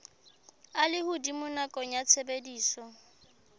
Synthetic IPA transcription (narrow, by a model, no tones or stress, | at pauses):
alɪhudimʊnakʼɔɲat͡sʰebediːsɔ